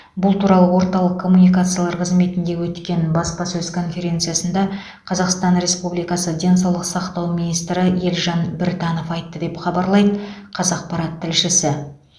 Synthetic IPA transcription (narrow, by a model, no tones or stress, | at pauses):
bʊlˠt̪ʰuɾɑlˠəwo̞ɾt̪ɑlˠəqkʰːo̞munijkat̪sɨjalˠɑɾqʰəzme̞t̪ɪnd̪e̞wɵt̪kʲe̞nbɑspɑsɵzkʰo̞nfe̞ɾʲe̞nt̪sɨjasənd̪ɑ | qʰɑzɑqst̪ɑnɾe̞spublijkɑsəd̪ʲe̞nsɑwlˠəqsɑqt̪ɑwminijst̪ɾɪjelʒɑnbɪɾt̪ɑno̞fɑjt̪ːəd̪e̞pχɑbɑɾlˠɑjd̪ə | qʰɑzɑq̚pɑɾɑt̪ʰːɪlʃɪsɪ